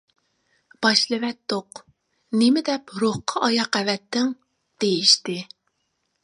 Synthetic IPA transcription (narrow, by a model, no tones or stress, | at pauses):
b̥ɑʃlˠɨvɛt̪ːoq | nɪmɪd̪ɛpɾoχqʰɑʔɑjɑqævɛt̪ːɪŋ | d̪̥ejiʃt̪ɪ